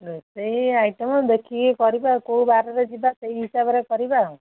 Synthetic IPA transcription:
ɾeseiajʈɔmɔd̪ekʰikekɔɾibakoũbaɾɔɾed͡ʒibaseiɦisabɔɾekɔɾiba

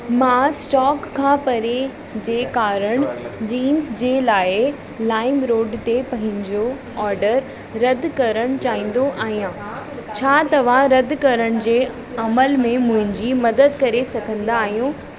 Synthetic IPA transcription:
mãːsʈɔːkʰːãːpɐɾe | d͡ʑeːkaːɾəɽ̃d͡ʑiːnzd͡ʑeːlaːɪ | laːɪmɾoːɖt̪epɐ̃ɦɪ̃ɲd͡ʑo | ɔːɾɖəɾ | ɾɐd̪ʱkɐɾəɽ̃ʊt͡ɕaːɦĩːn̆d̪oʔaːɦijãː | t͡ɕʰaːt̪ɐʋ̤aɾɐd̪ʱkɐɾəɽ̃d͡ʑeː | ɐməlmẽmʊ̃ɦɪ̃ɲd͡ʑimɐd̪əd̪kɐɾesɐɡʱə̃nd̪aːɦijũː

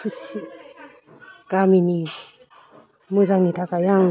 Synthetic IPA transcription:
usi | kamini | muzaŋnitʰakajaŋ

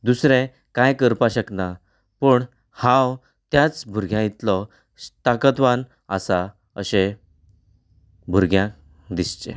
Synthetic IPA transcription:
d̪usɾẽ | kãjkəɾpaɕəkna | pəɳ | hãw | t̪jat͡sbʱuɾɡʱjãjit̪lɔ | t̪akət̪ʋan | əsa | ə̰ɕẽ | bʱuɾɡʱjã | d̪ist͡ɕḛ̃

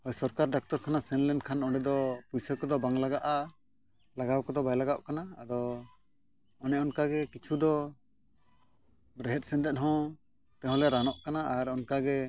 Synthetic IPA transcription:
hɔjsɔɾkaɾɖak̚t̪ɔɾkʰanasɛnlɛnkʰanɔɖɛd̪ɔpujsɛkɔd̪ɔbaŋlaɡaʔa | laɡawkɔd̪ɔbajlaɡaʔkana̰ːd̪ɔ | ɔnɛʔɔnkaɡɛkit͡ʃʰud̪ɔ | bɾɛɦɛt̪̚ˀsɛ̃nd̪ɛt̪̚ɦɔ̃ | t̪ɛ̃ɦɔ̃lɛɾanɔʔkanaʔaɾɔnkaɡɛ

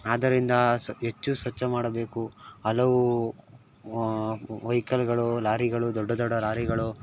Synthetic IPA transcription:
aːd̪ɐɾind̪ɐɦet͡ʃːusʋɐt͡ʃːɐmaːɽɐbe̞ːkuɐlɐʋu | ʋɐjkɐlɡɐɭulaːɾiɡɐɭud̪ɔɖːɐd̪ɔɖːɐlaːɾiɡɐɭu

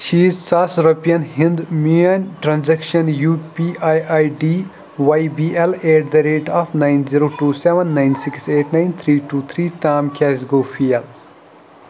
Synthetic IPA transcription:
ʃiːzsasuɾopiɐnɦĩnd̪miɐnʈɾãnzɛkʃɐnjuːpiajajɖiː | ʋajbiːeleːɖ̚d̪ɐɾeːʈaːfnaɪnziɾoːʈuːseʋə̃nːãjnsikseːʈnãɪnt̪ʰɾiːʈuːt̪ʰɾiːt̪aːmkʰʲɛːzɡoːfʰiɛl

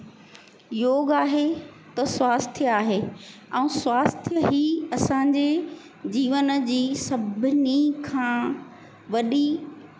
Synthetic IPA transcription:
joːɡaːɦet̪ɐswaːst̪ʰijaːɦeːɛ̃ũswaːst̪ʰɦiɐsãɲd͡ʑe | d͡ʑiːʋənəd͡ʑiːsɐbʱɪnikʰãː | ʋɐɗi

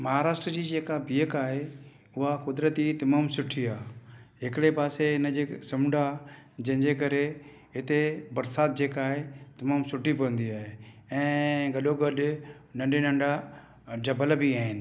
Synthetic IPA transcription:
mɐɦaːɾaːʃʈɾəd͡ʑiːd͡ʑeːkabiːəkaːɦe | ʊɦakʊd̪ɾət̪it̪ɐmaːmsʊʈʰiaːɦɪkɪɽepaːseɪnəd͡ʑesɐmɖʱa | d͡ʑɐ̃ɦɪ̃ɲd͡ʑekɐɾe | ɦɪt̪ebɐɾsaːt̪̚d͡ʑeːkaːɦet̪ɐmaːmsʊʈʰip̬ɐʋə̃nd̪iaːɦe | ɛ̃ːɡɐɗoɡɐɗ | nɐ̃ɳɖenɐ̃ɳɖa | d͡ʑɐbəlbiaːɦɪnɪ̆

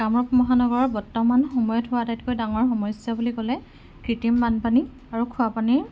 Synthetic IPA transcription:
kamɹɔpmɔɦanɔɡɔɹɔɹbɔɹtːɔmanxɔmɔjɔtɦʊwatajtkojdaŋɔɹxɔmɔjsjɔbulikɔlɛ | kɹitimbanpani | aɹukʰʊapani

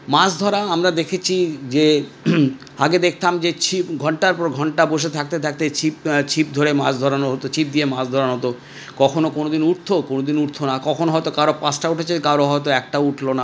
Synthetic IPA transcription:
masd̪ʱɔɾaamɾad̪ekʰet͡ɕʰid͡ʑe | a̰ɡed̪ek̚ʰt̪amd͡ʑet͡ɕʰipɡʱɔɳʈaɾpɔɾɡʱɔɳʈaboʃet̪ʰak̚t̪et̪ʰak̚t̪et͡ɕʰipt͡ɕʰip̚d̪ʱoɾema̰sd̪ʱɔɾanoɦot̪ot͡ɕʰip̚d̪iemasd̪ʱɔɾanɦot̪o | kɔkʰonokonod̪inuɾt̪ʰokonod̪inuɾt̪ʰonakɔkʰonoɦɔjt̪okaɾopãsʈauʈʰet͡ɕʰekaɾoɦɔet̪̬oɛkʈauʈʰlona

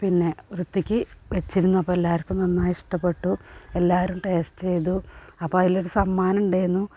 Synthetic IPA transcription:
pinːe̞ʋrut̪ːikʲːɨʋet͡ɕːiɾunːuɐpːoːelːaːɾɐpːumnɐnːaːjiʂʈɐpːe̞ʈːuelːaːʋɐɾumʈeːʂʈt͡ɕejðuɐpːoːɐðilo̞ɾusɐmːaːnɐmuɳɖejenːu

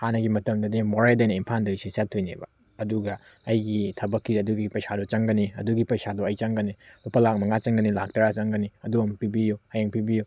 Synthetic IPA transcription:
hanɐɡimɐtɐmdɐdimoɾajdajnɐimpʰandɐɡisisatʰːojnḛbɐ̰ | ɐduɡɐ | ɐjɡitʰɐbɐkːidɐduɡipɐjsadɔt͡ʃɐŋɡɐniɐ̰duɡipɐjsadɔɐjt͡ʃɐŋɡɐnilupɐlak̚mɐŋat͡ʃɐŋɡɐnilak̚tɐɾat͡ʃɐŋɡɐniɐduɐmpibijuhɐjaŋpibiju

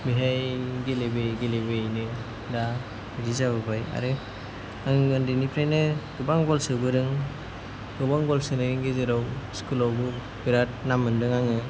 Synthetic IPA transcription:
biɦajɡelebeɡelebejnɯ | da | iɾizabɯbaja̰ɾɯ | ɯŋɯndinipʰɾajnɯɡɯbaŋɡɔlsɯbɯɾɯŋ | ɡɯbaŋɡɔlsɯnɯɾɯŋɡezɯɾawskulɔwbɯ | biɾat̚namɯndɯŋaŋɯ

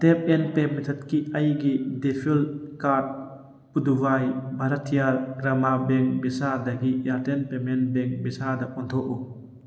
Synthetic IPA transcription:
tep̚enpemitʰɐt̚kiɐjɡidepʰilkat̚ | pudubajbʱaɾɐtʰːijaɾɡɾamabeŋbisadɐɡijaɾtenpemenbeŋbisadɐɔnt̪ʰɔʔu

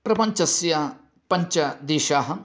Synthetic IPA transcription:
pɾɐpɐɲt͡ʃɐsjɐ | pɐɲt͡ʃɐd̪eːʃaːɦɐ

